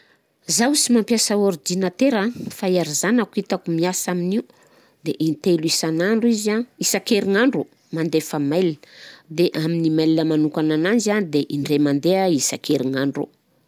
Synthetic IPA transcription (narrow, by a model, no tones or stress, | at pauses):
zawsimampjasaoɾid̪inat̪eɾafaiaɾizanakuit̪akumiasaminiu | d̪eʔint̪eluisanaɳɖ͡ʐuizaisakeɾiŋaɳɖ͡ʐu | mand̪efəmajlnd̪eʔaminimajlinəmanukananand͡ʒanid̪eʔiɳɖ͡ʐemand̪eaisakeɾiŋaɳɖ͡ʐṵ